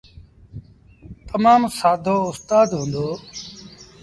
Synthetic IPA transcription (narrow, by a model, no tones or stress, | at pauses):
t̪əmaːmsaːd̪ʱoːʊst̪aːd̪ɦũːnd̪oː